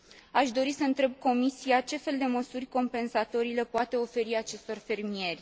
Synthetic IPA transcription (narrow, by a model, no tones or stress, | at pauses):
aʃd̪o̞ɾisəɨnt̪ɾe̞b̚ko̞misijat͡ʃe̞fe̞ld̪e̞məsurʲko̞mpe̞nsat̪o̞ɾile̞poat̪e̞o̞fe̞ɾiat͡ʃe̞st̪o̞rfe̞rmie̞rʲ